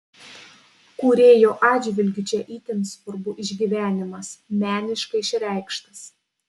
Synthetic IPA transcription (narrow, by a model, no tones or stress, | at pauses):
kuːɾʲeːjoːʔɑːd͡ʒʲʋʲɪlʲɡʲɪt͡ʃʲɛʔiːt̪ʲɪnspʊɾbʊʔɪʒʲɡʲiʋʲæːnʲɪmɐsmʲæːnʲɪʃkɐɪɪʃʲɾʲæˑɪkʃt̪ɐs